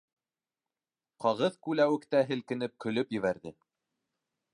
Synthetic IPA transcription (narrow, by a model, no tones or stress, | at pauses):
qɑʁɤðkʉlæwɘ̆kt̪æɦɘ̆lkɘ̆nɘp̚kɵ̆lɵpjɘ̆βæɾðɘ